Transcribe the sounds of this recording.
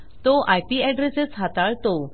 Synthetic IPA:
t̪ɔʔajpiɛɖɾeset͡sɦat̪aɭt̪ɔ

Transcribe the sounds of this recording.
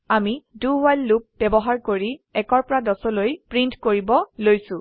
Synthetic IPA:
amiduwajlːup̚bɛbɔɦaɹkoɹiɛkɔɹpɔɹadɔsɔlojpɹintkoɹibɔlojsʊ̃

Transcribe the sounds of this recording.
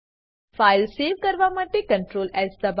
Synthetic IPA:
faɪlseːʋkəɾʋamaːʈ̪ːekə̃ɳʈɾoːlɛzd̪əb

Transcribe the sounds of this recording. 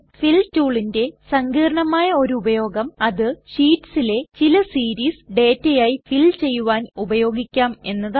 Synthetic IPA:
filtuːɭinde̞sɐŋɡiːɾɐɳɐmaːjɐo̞ɾuubɐjo̞ːɡɐmɐðɨɕiːʈsile̞t͡ɕilɐsiːɾiːsɖe̞ːtːɐjaːjifilt͡ɕe̞jːuʋaːnubɐjo̞ːɡikʲːaːme̞nːɐð

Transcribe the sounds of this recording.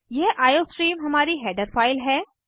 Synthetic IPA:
jeːʔaːjoːsʈɾiːmɦɐmaːɾiɦɛːɖəɾfaːɪlɦɛː

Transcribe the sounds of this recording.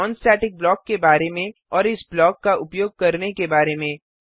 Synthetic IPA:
ɔ̃ːnsɛːʈɪk̚blɔːkːebaːɾemẽɔːɾɪsblɔːkːaʊpjoːɡ̚kɐɾnekebaːɾemẽː

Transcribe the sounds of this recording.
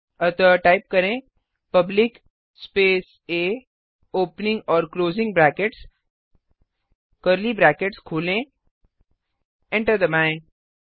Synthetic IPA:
ət̪əʈaɪp̚kɐɾẽ | pɐblɪk | speːs | eː | oːpnɪ̃ŋɡɔːɾkloːzɪ̃ŋɡbɾæːkeʈs | kəɾlibɾæːkeʈskʰuːlẽ | ɛ̃ɳʈəɾd̪əmãɪ̃ɳ

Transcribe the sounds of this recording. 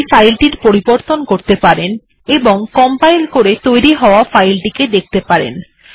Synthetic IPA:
fajlʈiɾpoɾiboɾt̪onkoɾt̪epaɾen | eboŋkɔmpajlkoɾet̪ojɾiɦɔoafajlʈiked̪ek̚ʰt̪epaɾḛn

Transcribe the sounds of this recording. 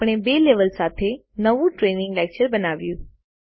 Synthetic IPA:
pɽ̃ebeːleːʋəlsaːt̪ʰe | nɐʋũʈɾeːnɪ̃ŋɡlɛːk̚t͡ʃəɾbɐnaːʋijũ

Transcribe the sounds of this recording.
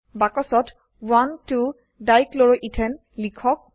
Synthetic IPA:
bakɔsɔt | wantu | dajklɔɹɔʔitʰɛn | likʰɔk̚

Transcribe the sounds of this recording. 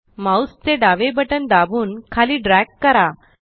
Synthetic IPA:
mawst̪eɖaʋebəʈənd̪abuːnkʰaliːɖɾɛkːəɾa

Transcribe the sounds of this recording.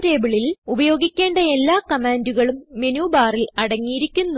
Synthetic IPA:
ɾeːbiɭilubɐjo̞ːɡikʲːe̞ːɳɖɐe̞lːaːkɐmaːnduɣɐɭumːenuːbaːrilɐɽɐŋːijiɾikʲːunːu

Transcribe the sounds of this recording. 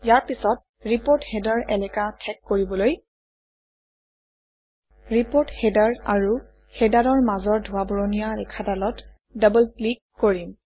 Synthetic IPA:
jaɹpisɔt̚ | ɹipoɹthɛdaɹɛlɛkatʰɛkːoɹibɔloj | ɹipoɹthɛdaɹa̰ɹu | hɛdaɹɔɹmazɔɹdʱuwabɔɹonijaɹɛkʰadalɔt | dabɔllikːoɹim

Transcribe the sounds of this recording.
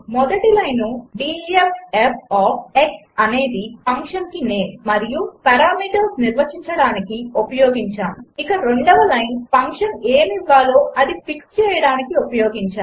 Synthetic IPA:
mɔd̪ɐʈilɐjnuɖiːepepʰaːeks | ɐne̞ːd̪ipɐŋkʂɐnkineːmɐɾijupɐɾaːmiːʈɐɾsniɾʋɐt͡ʃiɲt͡ʃɐɽaːnikiupɐjoːɡiɲt͡ʃaːmikɐɾe̞ɳɖɐʋɐlɐjnpɐŋkʂɐneːmiʋːaːloːʔɐd̪ipikst͡ʃɛːjɐɽaːnikiupɐjoːɡiɲt͡ʃaː

